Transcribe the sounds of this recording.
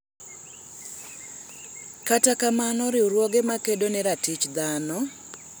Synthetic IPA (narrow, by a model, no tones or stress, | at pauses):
katakamanɔɾɪuɾwoɡemakedonɛɾatit͡ʃd̪anɔ